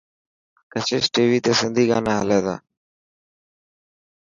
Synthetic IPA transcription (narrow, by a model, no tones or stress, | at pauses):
kət͡ʃʰeːsʈeːʋiːt̪eːsɪnd̪ʱiːɡa̰ːnaːɦəleːd̪a̰ː